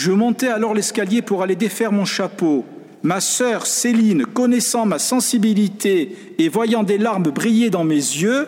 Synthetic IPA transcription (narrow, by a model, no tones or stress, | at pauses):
ʒəmɔ̃t̪ɛalɔʁlɛskaljepuʁaled̪efɛʁmɔ̃ʃapo | masœʁselinkɔnɛsɑ̃masɑ̃sibilit̪ʰeː | vwajɑ̃d̪elaʁmbʁijed̪ɑ̃mezjø